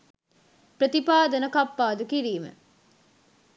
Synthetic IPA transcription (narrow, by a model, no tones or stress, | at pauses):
pɾɐt̪ipaːd̪ɐnɐkɐpːaːd̪ukiɾiːmḛ